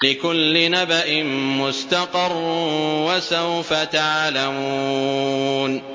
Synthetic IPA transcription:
lɪkʊlːɪnabaʔɪnmʊst̪aqɑrˤːwasawfat̪aʕlamuuːn

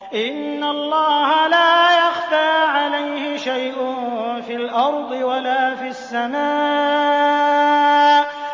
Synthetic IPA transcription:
ʔɪnːalˤːɑːhalaːjaxtaːʕalajhɪʃajʔʊfiːlʔɑɾˤd̪ˤɨwalaːfiasːamaː | ʔ

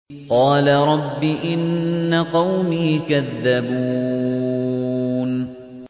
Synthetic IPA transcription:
qɑːlaɾˤɑbːiʔɪnːaqɑwmiːkaðːabuː | n

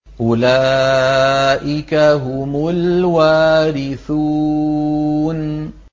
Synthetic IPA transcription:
ʔʊlaː | ʔɪkaɦʊmʊlwaːɾɪθuː | n

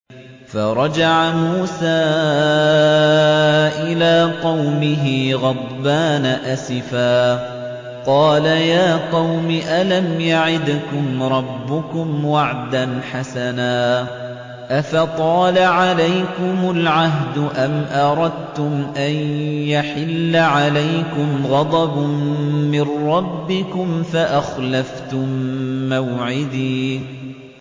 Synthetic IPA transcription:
fɑɾˤɑd͡ʒaʕamuːsaː | ʔɪlaːqɑwmɪɦɪɣɑd̪ˤbaːnaʔasɪfaː | qɑːlajaːqɑwmɪʔalamjaʕɪd̪kʊmɾˤɑbːʊkʊmwaʕd̪anħasanaː | ʔafat̪ˤɑːlaʕalajkʊmʊlʕaɦd̪ʊʔamʔɑɾˤɑd̪̚t̪ʊmʔanjaħɪlːaʕalajkʊmɣɑd̪ˤɑb | mɪnɾːɑbːɪkʊmfaʔaxlaft̪ʊmːawʕɪd̪iː

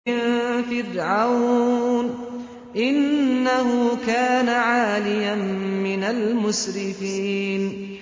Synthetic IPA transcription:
ɪfɪrʕawn | ʔɪnːaɦʊkaːnaʕaːlɪjammɪnalmʊsɾɪfiːn

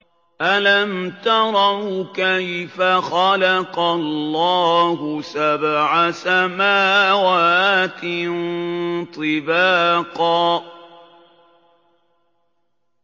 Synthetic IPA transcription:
ʔalamt̪ɑɾˤɑkajfaxalaqɑlːɑːhʊsabʕasamaːwaːt̪nt̪ˤɨbaːqɑː

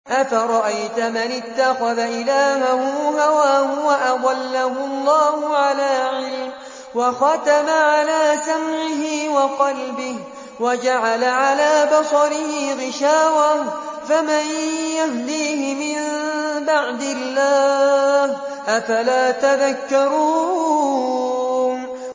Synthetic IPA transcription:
ʔafaɾˤɑʔajt̪ʊmanɪt̪ːaxaðaʔɪlaːɦahʊɦawaːhʊwaʔadˤalːahʊɑlˤːɑːhʊʕalaːʕɪlm | wɑxɑt̪amaʕalaːsamʕɪɦɪwɑqɑlbɪh | wad͡ʒaʕalaʕalaːbɑsˤɑɾɪhɪɣɪʃaːwa | famanjaɦd̪iːhɪmɪnbaʕd̪ɪlːaːh | ʔafalaːt̪aðakːɑɾuː

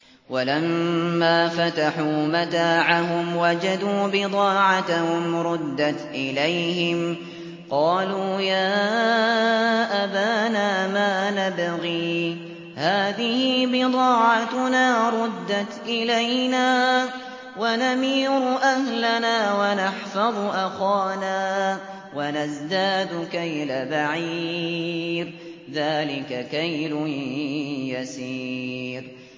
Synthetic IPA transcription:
walamːaːfat̪aħuːmat̪aːʕaɦʊmwad͡ʒad̪uːbɪd̪ˤɑːʕat̪ahʊmɾˤʊd̪ːat̪ʔɪlajhɪm | qɑːluːjaː | ʔabaːnaːmaːnabɣiː | haːðɪhɪbɪd̪ˤɑːʕat̪naːɾˤʊd̪ːat̪ʔɪlajnaː | wanamiːɾʊʔahlanaːwanaħfɑðˤʔaxaːnaː | wanazd̪aːd̪kajlabaʕi | ɾ | ðaːlɪkakajlʊ | jasiːɾ

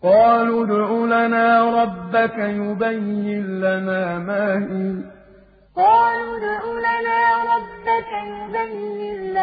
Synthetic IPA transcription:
qɑːluːd̪ʕuːlanaːɾˤɑbːakajʊbajːɪnlamaːmaːhiː | qɑːluːd̪ʕuːlanaːɾˤɑbːakajʊbajːɪn

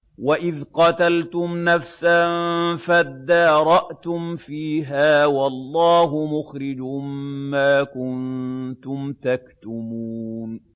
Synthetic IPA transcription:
waʔɪðqɑt̪alt̪ʊmnafsanfad̪ːɑːɾˤɑʔt̪ʊmfiːɦaːwɑlˤːɑːɦʊmʊxɾɪd͡ʒʊmːaːkʊnt̪ʊmt̪akt̪ʊmuːn

